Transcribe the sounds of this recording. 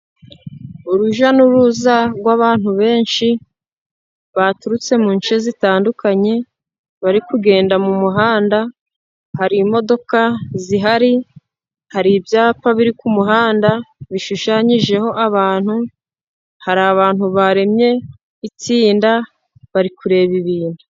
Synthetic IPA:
uɾuʒanuɾuzaɾɡwaβaːn̥huβe̞ːnʃi | βatuɾut͡se̞muɲt͡ʃezitaːndukaɲe̞ | βaɾikuɡe̞ːndamumuɦaːnda | haɾimo̞do̞kaziɦaɾi | haɾibjaːpaβiɾikumuɦaːndaβiʃuʃaːɲiʒe̞ho̞ʔaβaːn̥hu | haɾaβaːn̥huβaɾe̞mɲe̞ | it͡siːnda | βaɾikuɾe̞βiβiːnda

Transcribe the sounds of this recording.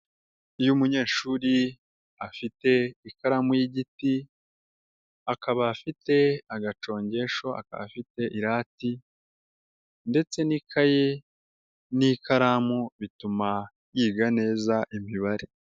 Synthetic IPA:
ujumuɲe̞ːʃuːɾi | afite̞ikaɾamujiɟiti | akaβaːfite̞aɡat͡ʃo̞ːɲɟe̞ʃo̞a̰ka̰βa̰fite̞ʔiɾaːti | nde̞t͡se̞nikʰaje | nikaɾamuβituma | jiːɡane̞ːzaʔimiβaɾe

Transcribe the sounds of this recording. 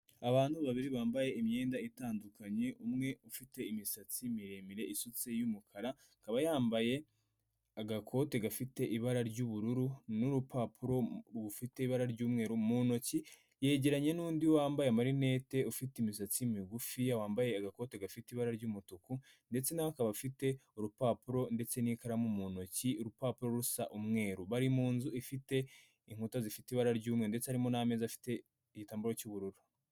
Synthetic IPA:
aβaːn̥huβaβiɾiβaːmbaje̞imɲe̞ːndaitaːndukʰaɲe̞ʔumŋe̞ufite̞imisat͡simiɾe̞miɾe̞isut͡se̞jumukʰaɾa | ŋkaβajaːmbaje̞ | aɡakʰo̞te̞ɡafite̞ʔiβaɾaɾɟuːβuɾuɾunuɾupapʰuɾo̞ɾɡufite̞iβaɾaɾɟuːmŋe̞ːɾumuno̞ci | je̞ːɟe̞ɾaɲe̞nuːndiwwaːmbajeamaɾine̞ːte̞ufitimisat͡simiɡufiawaːmbaje̞aɡako̞ːteɡafitiβaɾaɾɟumutuku | nde̞t͡se̞naβakaβafite̞uɾupaːpuɾo̞nde̞t͡se̞nikaɾamumuno̞ciuɾupaːpuɾo̞ɾusaʔumŋe̞ːɾuβaɾimuːnzuifite̞ | iŋ̥utazifitiːβaɾaɾɟuːmŋe̞ndet͡sehaɾimo̞name̞zafi̥te̞ | iɟitaːmbuɾo̞cuβuɾuɾu

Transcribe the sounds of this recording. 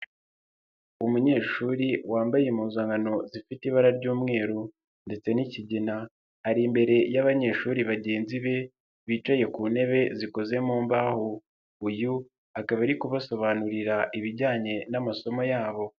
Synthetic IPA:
umuɲe̞ːʃuːɾiwaːmbajemuːzaːŋɡano̞zifitiβaɾaɾɟuːmŋe̞ːɾu | nde̞t͡se̞niciɟina | haɾimbe̞ɾe̞jaβaɲe̞ːʃuːɾiβaɟe̞ːnziβe̞ | βiːt͡ʃaje̞kuːne̞βe̞ziko̞ze̞muːmbahu | uju | akaβaiɾikuβaso̞βanuɾiɾaʔiβiɟaːɲe̞namaso̞mo̞jaːβo̞

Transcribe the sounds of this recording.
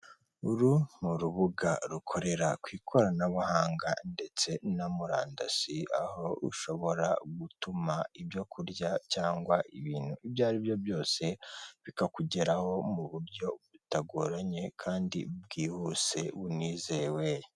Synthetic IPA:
uɾumuɾuβuɡaɾukʰo̞ɾe̞ɾakwiːkʰo̞ɾanaβuhaːŋɡa̰nde̞t͡se̞namuɾa̰ːndasiaho̞ṵʃo̞βo̞ɾa̰ɡutumaibjo̞kʰuɾɟacaːŋɡwaʔiβiːn̥huibjaːɾibjo̞bjo̞ːse̞βikakuɟe̞ɾaho̞muβuɾɟo̞βutaɡoɾaɲe̞kʰaːndḭb̚ɡiːhuːse̞βuniːze̞we

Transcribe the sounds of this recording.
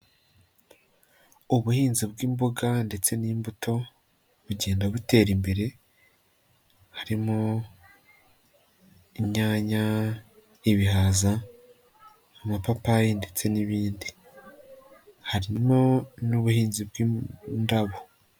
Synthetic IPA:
uβuhiːnzibɡiːmbo̞ɡande̞t͡se̞niːmbuto̞ | βuɟe̞ːndaβute̞ɾimbe̞ɾe̞ | haɾimo | iɲɲaːɲa | iβihaza | mapapajinde̞t͡se̞niβiːndi | haɾimonuβuhiːnzibɡindaβo

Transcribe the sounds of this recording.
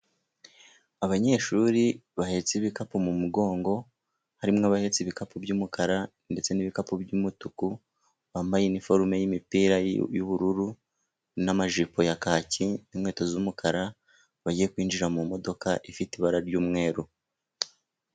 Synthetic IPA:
aβaɲe̞ːʃuɾiβahe̞t͡siβikapumumuɡo̞ːŋɡo̞ | haɾimŋaβahe̞t͡siβikapubɟuːmukʰaɾa | nde̞t͡se̞niβikapubɟumutuku | βaːmbajenifo̞ɾume̞jimipiːɾajuβuɾuɾu | namaʒipo̞jakaːcinimŋe̞ːto̞zumukʰaɾa | βaɟijekwiːnd͡ʒiɾamumo̞do̞kaʔifitiβaɾaɾɟuːmŋe̞ːɾu

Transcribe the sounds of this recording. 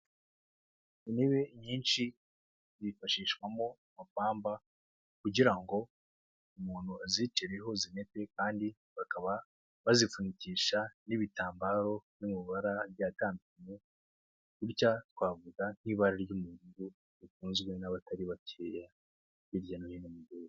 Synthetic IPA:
iniβeɲiːnʃi | zifaʃiːʃɡwamo | mapaːmba | kuɟiɾaŋɡo̞ | umuːn̥huazit͡ʃeɾeɦo̞zine̞tekaːndi | βakaβa | βazifuniciːʃaniβitaːmbaɾo̞numiβaɾaɾɟataːmbiɲe | iɾcatwaːvuɡan̥iβaɾaɾɟumuɾuɡo | ifuːnzɡwe̞naβataɾiβatʰeja | jiɾɟanojinomuɡoo

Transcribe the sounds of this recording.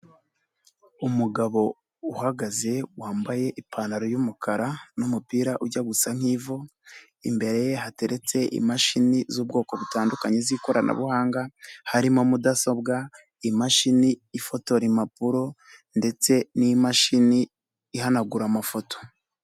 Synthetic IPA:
umuɡaβo̞ | uhaɡaze̞waːmbaje̞ʔipʰaːnaɾojumukʰaɾanumupiːɾaʔuɾɟaɡusaŋ̥iːvo̞ | imbe̞ɾe̞je̞hate̞ɾe̞t͡se̞ʔḭmaʃinizuːb̚ɡo̞ːko̞βutaːndukaɲeziko̞ɾanʔa̰βuhaːŋɡahaɾimo̞mudaso̞bɡa | imaʃiniːfo̞to̞ɾimapuɾo̞ | nde̞t͡se̞nimaʃiniː | hanaɡuɾamafo̞to̥

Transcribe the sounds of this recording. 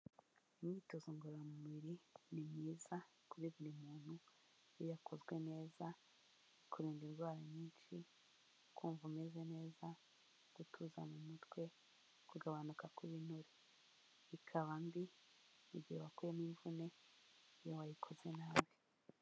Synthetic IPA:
imɲitozoŋɡoɾamumuβiɾinimŋiːzakuɾiβiɾimuːn̥ujijakʰo̞zɡwe̞ne̞ːza | kʰuɾiːndiɾɡwaːɾaɲiːnʃi | kʰuːɱvume̞ze̞ne̞ːza | ɡ̥utʰuzamumutɡwe̞ | kuɡaβanukakuβinuɾe | ikʰaβambi | uɟiheβakojeniːɱvune̞ | jowajikʰo̞ze̞naːβi

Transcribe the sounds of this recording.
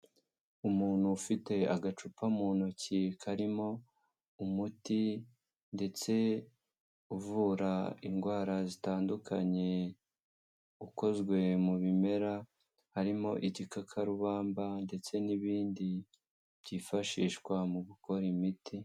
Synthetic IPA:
umuːn̥hufite̞aɡat͡ʃupʰamuːnocikʰaɾimo̞ | umuti | nde̞t͡se̞ | uvuːɾaḭŋɡwaːɾazitaːndukʰaɲe̞ | uko̞zɡwe̞muβime̞ɾa | haɾimo̞ʔiɟikakʰaɾuβaːmbande̞t͡se̞niβiːndi | βɟiːfaʃiːʃkwamuɡuko̞ɾimiti

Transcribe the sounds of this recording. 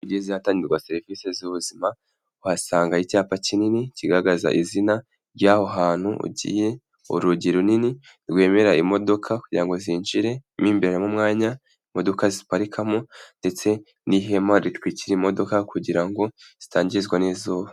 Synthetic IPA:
uɟeziataːɲiɾɡwase̞ɾivisezuβuzima | uhasaːŋɡaicaːpacininiciɡaɾaɡaza̰ʔizina | ɾɟaːho̞ɦaːn̥huṵɟḭːje̞ | ṵɾuɟiɾunini | ɾɡwe̞ːme̞ɾaimo̞do̞kʰakuɟiɾaŋɡo̞ziːnʒiɾe̞miːmbeeɾemumŋaːɲa | imo̞do̞kazipaɾikʰamo̞nde̞t͡se̞ | niɦe̞maɾitwiːciɾimo̞do̞kakuɟiɾaŋɡo̞z̥itaːɲɟiɾizɡwanizoːβa

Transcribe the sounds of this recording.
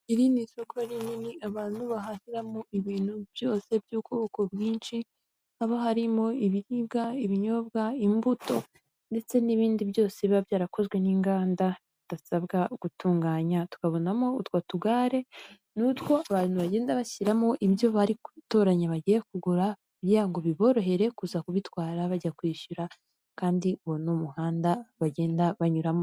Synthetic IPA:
iɾinisokaɾininiʔaβaːn̥huβaɦahiɾamoʔiβiːn̥hubjo̞ːse̞bjuːkoβoko̞bɡiːnʃi | haβoɦaɾimo̞iβiɾibɡaiβiɲo̞bɡaimbuto̞ | nde̞t͡se̞niβiːndiβjo̞ːseβiβabjaːɾakʰo̞zɡwe̞niŋɡaːnda | id̥asaβɡaɡ̥utuːŋɡaːɲatu̥kaβo̞namo̞utwatuɡaːɾe̞ | nutwo̞aβaːn̥huβaɟe̞ːndaβaçiɾamo̞ʔibjo̞βaɾiku̥to̞ːɾaɲaβaɟijekuɡuɾa | iβjaːŋɡo̞βiβo̞ːɾo̞ɦe̞ɾe̞kuzakuβitwaːɾaβaɟakwiːʃuɾa | kaːndiwonomuhaːndaβaɟe̞ːndaβaɲuɾamo̞

